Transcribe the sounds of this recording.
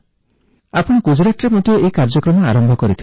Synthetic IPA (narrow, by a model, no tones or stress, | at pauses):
apɔɽ̃ɔɡud͡ʒɾaʈɾemɔd̪ʱjɔʔekaɾd͡ʒɔkɾɔma̰ɾɔmbʱɔkɔɾit̪ʰi